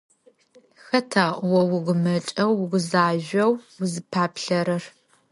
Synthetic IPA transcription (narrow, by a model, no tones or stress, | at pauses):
xɐtʰaːwɔwʊɡʷʊmɐt͡ʃʼɐwːʊɡʷʊzaːʒɐwʊzɨpʰaːpɬɐɾɐr